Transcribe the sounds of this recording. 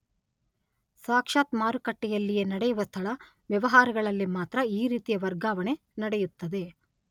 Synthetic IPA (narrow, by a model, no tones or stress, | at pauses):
saːkʂaːt̪maːɾukɐʈːɛjɐlːije̞nɐɽɛjuʋɐst̪ʰɐɭɐ | ʋjɐʋɐɦaːɾɐɡɐɭɐlːimaːt̪ɾɐiːɾiːt̪ijɐʋɐɾɡaːʋɐne | nɐɽejut̪ːɐd̪e̞